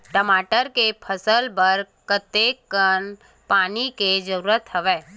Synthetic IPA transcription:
ʈəmaːʈəɾkepʰəsəlbəɾ | kət̪ekːən | paːniked͡ʒəɾuːɾət̪ɦəʋeː

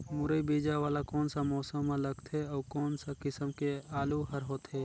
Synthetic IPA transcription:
mʊɾəibiːd͡ʒaʋaːlakɔːnsamɔːsəmːãləɡt̪ʰɛɔːkɔːnsakɪsəmkeaːluɦəɾɦoːt̪ɦɛː

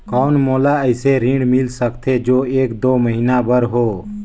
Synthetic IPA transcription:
kɔʊnmoːlaəɪseɾĩɳɖmɪlsəkt̪ʰed͡ʒoːeːkd̪oːməɦinabəɾɦoː

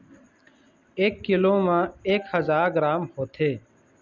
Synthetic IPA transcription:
eːkːiloːmãːeːkhəzaːɾɡɾaːmhoːt̪ʰeː

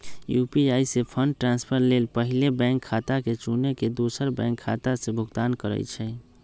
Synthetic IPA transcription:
jupiaisepʰəɳɖʈɾãnspʰəɾlelpəɦilebɛ̃ŋkʰːat̪aket͡ʃuneked̪osəɾbɛ̰̃ŋkʰːa̰t̪asẽbʱʊɡt̪aːnkəɾə̰t͡ʃʰɛ

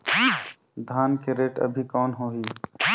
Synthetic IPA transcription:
d̪ʱaːnkeɾeːʈə̰bʱikɔːnɦoːɦiː

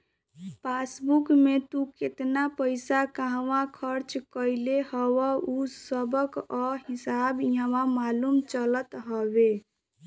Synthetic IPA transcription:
pʰasbukmet̪uket̪napəɪsakaɦʋãkʰəɾt͡ʃkəɪlehəwəusəbəkəɦisabjə̃ʋãmalumt͡ʃələt̪ɦɔbe

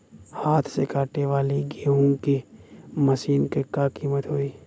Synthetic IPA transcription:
haːt̪ʰsekaːʈneʋaːliɡeːɦʊ̃ŋkiməsiːnkekaːkiːmət̪ɦoːiː

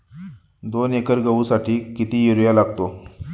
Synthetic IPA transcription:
d̪onekəɾɡəʋusaʈiːkit̪iːjiɾjalaɡt̪o

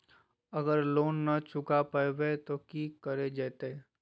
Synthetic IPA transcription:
ɐɡəɾloːnːɐt͡ʃʊkapəwet̪okikəɾed͡ʒɛːt̪e

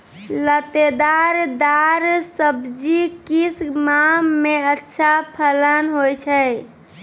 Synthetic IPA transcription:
lət̪ed̪aɾd̪aɾsəbd͡ʒikismameətːʃʰapʰələnɦojt͡ʃʰə

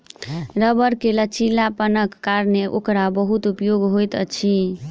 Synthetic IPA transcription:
ɾəbəɾkelət͡ʃilapənəkːaɾneʔokɾabəɦut̪upjoɡɦojt̪ə̰t͡ʃʰi

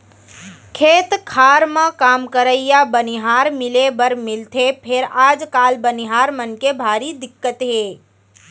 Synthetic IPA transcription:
kʰeːt̪kʰaːɾmãkaːmkəɾəijabəniɦaːɾmɪlebəɾmɪlt̪ʰepʰɪɾaːd͡ʒkaːlbəniɦaːɾmənkebʱaːɾid̪ɪkːət̪ɦeː

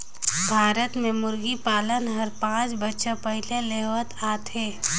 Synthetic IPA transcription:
bʱaːɾət̪mẽmʊɾɡipaːlənɦɐɾpãːt͡ʃbətːʃapəɦɪleleɦʋət̪aːt̪ɦeː

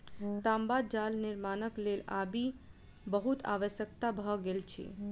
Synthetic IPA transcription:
t̪ambad̪̚d͡ʒalnɪɾmaːnəklela̰bi | bəɦut̪a̰ʋəʃjəkt̪abʱəɡelt͡ʃʰḛ

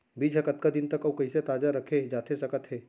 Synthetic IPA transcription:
biːd͡ʒɐkət̪̚kad̪ɪnt̪ɐkɐwkɐiset̪aːd͡ʒaɾɐkʰed͡ʒaːt̪ʰesɐkət̪ɦɛː

